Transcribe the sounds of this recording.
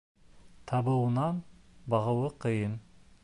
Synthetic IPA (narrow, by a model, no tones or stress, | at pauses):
t̪ʰɑbəwənɑnbɑʁəwəqʰəjən